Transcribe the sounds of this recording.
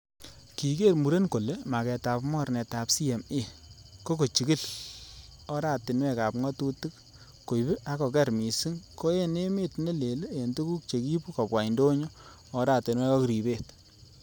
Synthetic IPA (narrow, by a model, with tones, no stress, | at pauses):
ki˨ke˦ɾmu˨ɾe˦nko˨le˦ma˨kɛ˨ta˨pmɔ˦ɾnɛ˨ta˨psi˦e˨me˦ko˦ko˨t͡ʃi˨ki˦l | ɔ˦ɾa˦tɪ˨nwɛ˦ka˨pŋɔ˦tu˦tɨ˦k̚ | ko˨ibɪ˦ʔa˦kɔ˨kɛ˦ɾmi˨si˦ŋko˦e˦ne˦mɪ˦tne˦le˨le˦e˨ntu˦ku˦k̚t͡ʃe˨ki˦pu˦kɔ˨pwa˨i˨ndo˦ɲo˦ | ɔ˨ɾa˨tɪ˨nwɛ˦kɔ˦kɾi˨be˦˨t